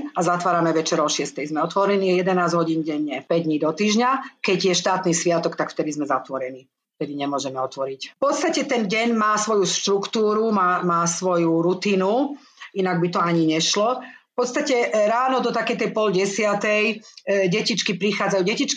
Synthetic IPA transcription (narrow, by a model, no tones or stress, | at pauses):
azat̪ʋaːɾamɛʋɛt͡ʃɛɾɔʃɪɛst̪ɛjzmɛɔt̪ʋɔɾɛniːjɛd̪ɛnaːzɦɔɟiːnɟɛɲːɛpɛɟ̚d̪ɲiːd̪ɔt̪iːʒɲakɛɟjɛʃt̪aːt̪niːsʋɪat̪ɔkt̪akft̪ɛd̪izmɛzat̪ʋɔɾɛniː | ft̪ɛd̪iɲɛmʊɔʒɛmɛɔt̪ʋɔɾicfpɔt̪st̪acɛt̪ɛnɟɛɲmaːsʋɔjuʃt̪ɾukt̪uːɾumaːmaːsʋɔjuɾut̪iːnu | inaɡ̚bit̪ɔaɲiɲɛʃlɔfpɔt̪st̪acɛɾaːnɔd̪ɔt̪akɛjt̪ɛjpɔlɟɛsɪat̪ɛjɟɛcit͡ʃkipɾixaːd͡zajuɟɛcit͡ʃki